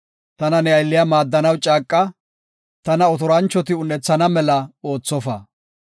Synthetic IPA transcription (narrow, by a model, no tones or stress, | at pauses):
t̪ɐnɐnɛɐjlːɪjɐmaːd̪ːɐnɐwt͡ʃʼaːkʼːɐ | t̪ɐnɐɔt̪ɔɾɐnt͡ʃːɔt̪ɪʊnːɛt͡sːɐnɐmɛlɐo̞ːt͡sːɔfɐ